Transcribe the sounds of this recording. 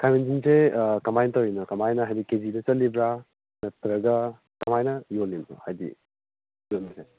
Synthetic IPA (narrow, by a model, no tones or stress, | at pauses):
kʰajmensinsekɐmajnɐtɐwinɔkɐmajnɐɦajdikezinɐt͡ʃɐlːibɾa | nɐtɾɐɡɐ | kɐmajnɐjolːinṵhajdḭ | jotnɐse